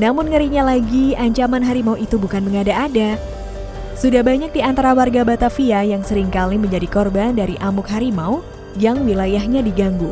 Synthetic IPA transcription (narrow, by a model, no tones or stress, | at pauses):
namʊnŋəɾiɲalaɡiaɲt͡ʃamanɦaɾimauʔit̪ubukanməŋadaːda | sudahbaɲak̚diant̪aɾawarɡabat̪afiajaŋsəɾɪŋkaliməɲd͡ʒadikɔrbandaɾiʔamʊkɦaɾimau | jaŋwilajaɦɲadiɡaŋɡu